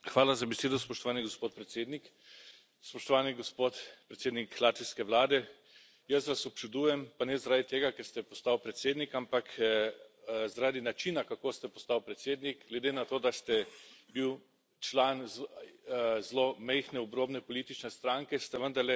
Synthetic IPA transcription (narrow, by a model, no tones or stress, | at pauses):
xʋaːlazabɛseːd̪ɔspɔʃt̪ɔʋaːniɡospoːt̪̚pɾɛt̪seːd̪nik | spɔʃt̪ɔʋaːniɡospot̪pɾet̪seːd̪niklaːt̪ʋiskɛʋlaːd̪ɛ | jəsʋasɔp̚t͡ʃud̪uːjɛmpanɛzaɾad̪it̪eːɡakɛɾst̪ɛpɔst̪awpɾɛt̪seːd̪nikampak | zaɾaːd̪inat͡ʃinakakoːst̪ɛpɔst̪awpɾɛt̪seːd̪niɡɡlɛd̪eːnat̪oːd̪ast̪ɛbiw | t͡ʃlaːnz | zlomɛjxnɛɔbɾoːbnɛpɔliːt̪it͡ʃnɛst̪ɾaŋkɛst̪ɛʋənd̪aɾlɛ